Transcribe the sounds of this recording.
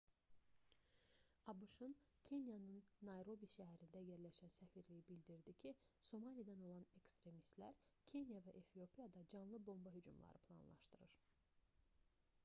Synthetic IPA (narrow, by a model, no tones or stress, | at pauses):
ɑbuʃɯncʰe̞njɑnɯnːɑjɾo̞biʃæɦæɾind̪æje̞ɾlæʃænsæfiɾlijibild̪iɾd̪icʰiso̞mɑlijd̪ɑno̞lˠɑne̞kst̪ɾe̞mist̪læ̰ɾcʰe̞njɑvæʔefio̞pʰijɑd̪ɑd͡ʒɑnlˠɯbo̞mbɑɦyd͡ʒumlˠɑ̰ɾɯpʰlˠɑ̰nlˠɑ̰ʃt̪ɯɾɯɾ